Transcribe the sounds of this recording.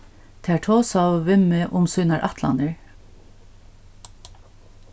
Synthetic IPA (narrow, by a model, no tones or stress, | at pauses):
t̪ʰæːʈʰoːsɑʋɪməʔʊmsʏːnɑɹʔɑt̪ʰlɑ̰nəɹ